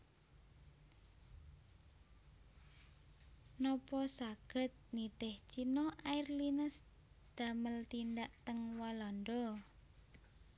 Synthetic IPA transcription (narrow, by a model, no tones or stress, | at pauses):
nɔpɔsaɡ̥ə̤t̪̚nit̪ɪht͡ʃinɔʔairlinəs | d̪̥a̤məlt̪ind̪aʔt̪əŋwalɔnd̪ɔ